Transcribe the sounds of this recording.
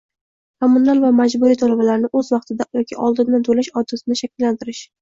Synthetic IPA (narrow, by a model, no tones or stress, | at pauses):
kʰomʊnalvamad͡ʒbʊɾit̪ʰɒlabalaɾnɪʔɵzvɑqt̪ʰɪd̪ajɒkʲʰɪʔɒlˠd̪ɪnd̪ant̪ʰolaʃɒd̪ɪsɪnɪʃakʲʰɪlːant̪ɪɾɪʃ